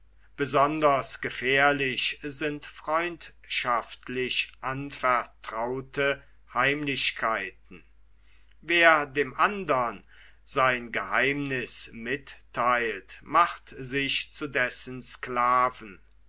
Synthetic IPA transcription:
b̥əzɔndɐsɡ̥əfɛːɐlɪɕzɪntfʁ̥ɔʏnt | ʃaftlɪɕʔanfɛɐtʁ̥aʊtʰə | haɪmlɪɕkʰaɪt̚n̩ | veːɐdeːmʔandɐn | zaɪnɡəhaɪmnɪsmɪtʰː | aɪltmaχtzɪʃt͡sudɛsənsklaːvn̩

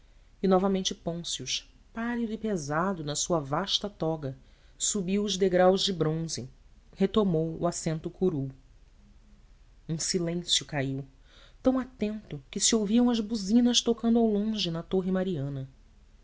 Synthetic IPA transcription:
ɪnɔvɐmẽnt͡ʃɪpõsiʊʃ | palid̪ʊipezad̪ʊnɐsuɐvaʃt̪ɐt̪ɔɡɐsubiwʊzd̪eɡɾawzd͡ʒɪbɾõzɪ | het̪omowṵasẽnt̪ʊkʰuɾu | ũsilẽsjʊkaiw | t̪ɐ̃w̃at̪ẽnt̪ʊkɪsiowviɐ̃w̃ɐzbuzĩnɐʃt̪okɐ̃nd̪ʊawlõʒɪnɐt̪oɦɪmaɾiɐ̃nɐ

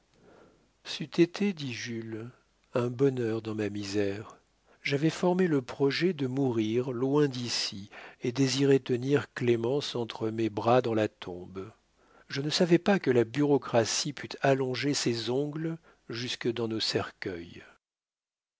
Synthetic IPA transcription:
syt̪et̪ʰed̪iʒyl | ɛ̃bɔnœʁd̪ɑ̃mamizɛʁ | ʒavɛfɔʁmeləpχɔʒɛd̪əmuʁiʁlwɛ̃d̪isied̪eziʁɛt̪əniʁklemɑ̃sɑ̃t̪χəmebʁad̪ɑ̃lat̪ʰɔ̰̃b | ʒənəsavɛpakəlabyʁɔkχasipʰyt̪ʰalɔ̃ʒesezɔ̃ɡl | ʒyskəd̪ɑ̃nosɛʁkʲœj

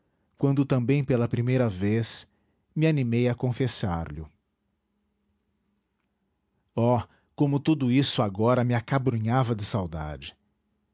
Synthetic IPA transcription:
kwɐ̃nd̪ʊt̪ɐ̃mbẽj̃pelɐpɾimejɾɐves | mɪanimejɐkõfesa̰ɾʎʊ̰ | ɔ | kõmʊt̪ud̪ʊisʊaɡɔɾɐmɪakabɾũɲavɐd͡ʒɪsawd̪a̰d͡ʒɪ̥

